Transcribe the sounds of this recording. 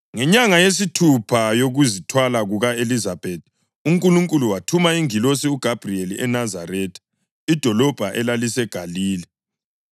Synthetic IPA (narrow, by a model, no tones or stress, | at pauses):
ŋɛɲaŋajes̬itʰupʰajoɣuzitʰwalaɣuɣaelizab̥ʱetʰ | uŋkʼuluŋkʼuluwatʰumaiŋilos̬iuɡ̥ʱab̥ʱrielḭʔɛnazaɾɛːtʰʼ | id̥ʱɔlɔb̥ʱaʔɛlalisɛɡ̥ʱaliːlɛ